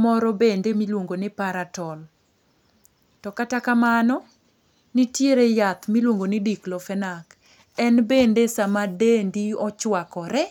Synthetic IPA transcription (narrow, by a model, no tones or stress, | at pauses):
mɔɾɔbendemilwoŋɡonɪpaɾatɔl | tɔkatakamanɔ | nɪtjeɾejat̪milwoŋɡonɪdiklɔfɛnak | ɛnbendesamadendiɔt͡ʃwakɔɾɛ